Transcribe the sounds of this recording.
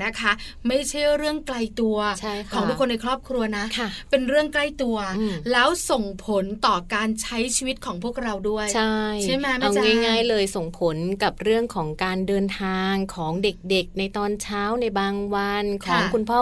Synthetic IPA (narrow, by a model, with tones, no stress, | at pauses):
na˦˥kʰa˦˥ | ma˥˩jt͡ɕʰa˥˩jɾɯ˥˩əŋkla˧jt̪u˧ɐt͡ɕʰa˥˩jkʰɔː˩˦ŋdu˦˥kʰːo˧nːa˧jkʰɾɔː˥˩p̚kʰɾu˧ɐna˦˥ʔkʰa˥˩pe˧nɾɯ˥˩əŋkla˥˩jt̪u˧ɐɯ˧˩lɛː˦˥wso˨˩ŋpʰo˨˩˦nt̪ɔː˨˩kaː˧nt͡ɕʰa˦˥jt͡ɕʰiː˧wi˦˥t̪̚kʰɔː˩˦ŋpʰu˥˩ək̚ɾa˧wdu˥˩əjt͡ɕʰa˥˩jt͡ɕa˥˩jma˦˥ma˥˧ŋ˧ŋaː˥˩jŋaː˥˩jlɤː˧jso˨˩ŋpʰo˩˦nka˨˩p̚ɾɯ˥˩əŋkʰɔː˩˦ŋkaː˧ndɤː˧nt̪ʰaː˧ŋkʰɔː˩˦ŋde˨˩k̚de˨˩k̚na˧jt̪ɔː˧nt͡ɕʰaː˦˥wna˧jjbaː˧ŋwa˧nkʰɔː˩˦ŋkʰu˧npʰɔː˥˩